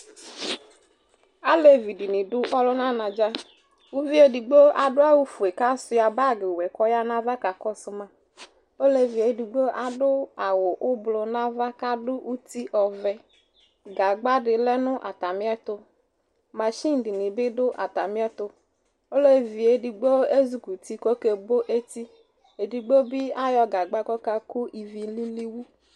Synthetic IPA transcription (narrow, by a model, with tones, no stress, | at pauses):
a˦le˦vi˨di˨nɪ˨dʊ˦ʔɔ˦lɔ˦nã˦nã˨d͡ʒa˦ | u˦vi˦e˨˦di˨ɡ͡bo˦a˨dʊ˦a˦wʊ˦fʊ˨e˨ka˦sʊ˦ja˨ba˦˨ɡɪ˨wɛ˨kɔ˦ja˦nã˦va˦ka˨kɔ˦sʊ˦mã˨ | o˦le˦vi˨e˨di˨ɡ͡bo˦ʔa˨dʊ˦a˨wʊ˨ʔʊ˦blʊ˨nã˦va˦ka˦dʊ˦ʔu˦ti˦ʔɔ˨vɛ˨ | ɡa˨ɡ͡ba˦dɪ˨lɛ˦nʊ˦ʔa˨ta˨mɪ˦ɛ˦tʊ˧ | ma˨ʃi˦n̩˨dɪ˨nɪ˨bɪ˦dʊ˦ʔa̰˨ta˨mi˦ɛ˦tʊ˨ | o˦le˦vi˨e˨di˨ɡ͡bo˦e˦zu˨ku˨ti˦kɔ˦ke˨bo˦ʔe˦ti˦ | e˨di˨ɡ͡bo˦bi˦a˦jɔ˧ɡa˨ɡ͡ba˦kɔ˦ka˨kʊ˦ʔi˨vi˨li˦li˦wu˦